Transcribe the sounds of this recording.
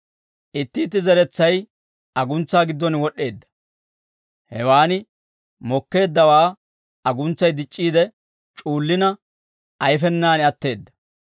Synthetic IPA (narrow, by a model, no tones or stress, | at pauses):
ʔɪt̪ːɪːt̪ːɪzɛɾɛt͡sːɐj | ɐɡʊnt͡sːaːɡɪd̪ːɔnwɔɗːe̞ːd̪ːɐ̥ | hɛwaːnɪ | mɔkːe̞ːd̪ːɐwaː | ɐɡʊnt͡sːɐjd̪ɪt͡ʃʼːiːd̪ɛ | t͡ʃʼuːlːɪnɐ | ɐjfɛnːaːnɪɐt̪ːe̞ːd̪ːɐ̥